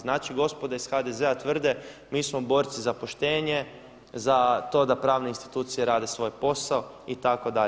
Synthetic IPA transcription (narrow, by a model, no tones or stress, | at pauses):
znaːt͡ʃiɡo̞spo̞d̪aisxad̪ezeat̪ʋr̩d̪emiːsmobo̞ːɾt̪sizapo̞ʃt̪e̞ːɲe̞ | zat̪o̞d̪apɾaːʋneinst̪i̥t̪uːt̪sijeɾaːd̪e̞sʋo̞jpo̞sao | it̪ako̞d̪aʎ